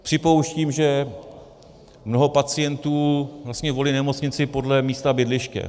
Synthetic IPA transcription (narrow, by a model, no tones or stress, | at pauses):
pr̝̥ɪpo̞wʃciːmʒɛ | mnoɦo̞pat͡sɪjɛnt̪uːvlast̪ɲɛvo̞linɛmo̞t͡sɲɪt͡sɪpo̞dlɛmiːst̪abɪdlɪʃkɛ̰